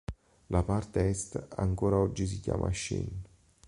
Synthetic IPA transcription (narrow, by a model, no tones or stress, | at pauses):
lapart̪eɛst̪a̰ŋkoːɾaɔd͡ʒːis̬ikja̰ːmʔaʃːḭn